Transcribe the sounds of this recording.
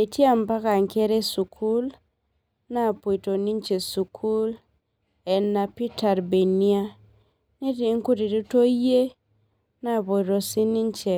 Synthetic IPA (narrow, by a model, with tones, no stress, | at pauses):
e˨ti˦a˦mpa˦ka˨ŋke˦ɾe˦su˨kʰu˦l | na˦˨po˨jto˨ni˦nt͡ʃe˨su˨kʰu˦l | ɛ˨nːa˨pi˦ta˨ɾbe˨ni˦a˦ | ni˦ti˨˦ŋku˦di˨du˦to˦je˦ | na˦˨po˨jɾo˨si˦ni˦nt͡ʃe˨